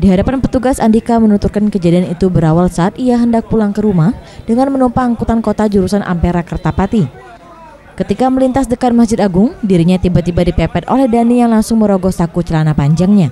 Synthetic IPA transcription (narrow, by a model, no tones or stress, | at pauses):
diɦadapanpət̪uɡasandikamənut̪urkankəd͡ʒadianit̪ubəɾawalsaːt̪ijaɦəndak̚pulaŋkəɾumahdəŋanmənumpaːŋkut̪ankot̪ad͡ʒuɾusanʔa̰mpeɾakərt̪apat̪i | kət̪ikaməlint̪asdəkat̪̚masd͡ʒɪt̪aɡʊŋdiɾiɲat̪ibat̪ibadipɛpɛt̪o̰lɛhdanijaŋlaŋsʊŋməɾoɡɔsakut͡ʃəlanapaɲd͡ʒaŋɲa